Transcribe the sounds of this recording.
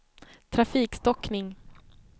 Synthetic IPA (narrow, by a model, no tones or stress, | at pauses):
t̪ʰɾafiːkst̪ɔknɪŋ